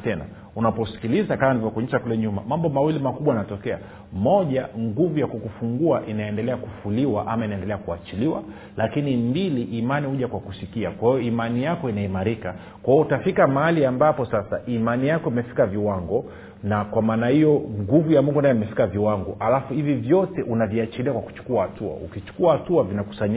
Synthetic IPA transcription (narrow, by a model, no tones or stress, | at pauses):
tɛna̰ | unapɔsi̥kilizakamanivɔkuɲɛʃakulɛɲumamambɔmawilimakuɓwanatɔkɛa̰ | mɔʄaŋɡuvujakukufuŋɡuaʔinaɛndɛlɛakufuliwaʔamainaɛndɛlɛakuat͡ʃiliwa | lakinimbiliʔːmanihuʄakwakusikiakwahijɔimanijakɔinaimaɾika | kwahijɔutafikamahaliambapɔsasaʔimanijakɔimɛfi̥kaviwaŋɡɔ | nakwamaːnahijɔŋɡuvujamuŋɡunajimɛfi̥kaviwaŋɡɔʔalafuhivivjɔtɛʔunaviat͡ʃiliakwaku̥t͡ʃu̥kuahatua̰ṵkit͡ʃu̥kuahatuavinaku̥saɲ